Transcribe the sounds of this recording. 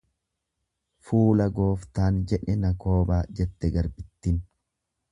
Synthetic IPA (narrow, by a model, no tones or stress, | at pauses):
fuːlɐɡo̞ːft̪aːnd͡ʒɛᶑɛnɐko̞ːbaːd͡ʒɛt̪ːɛɡɐɾbɪt̪ːɪn